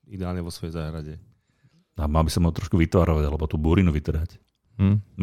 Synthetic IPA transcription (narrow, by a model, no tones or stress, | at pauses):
id̪ɛaːlɲɛʋɔsʋɔjɛzaːɦɾaɟɛ | amalbisɔmɔt̪ɾɔʃkuʋit̪ʋaːɾɔʋaɟalɛbɔt̪uːbuːɾinuʋit̪r̩ɦac̩